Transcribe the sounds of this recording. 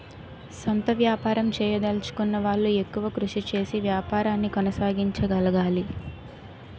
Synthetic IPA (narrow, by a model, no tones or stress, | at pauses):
sont̪ɐʋjaːpaːɾɐmt͡ʃɛːjɐd̪ɐlt͡ʃu̥kunːɐʋaːɭːue̞kːuʋɐkɾuʂit͡ʃe̞ːsiʋjaːpaːɾaːnːikɔnɐsaːɡiɲt͡ʃɐɡɐlɐɡaːli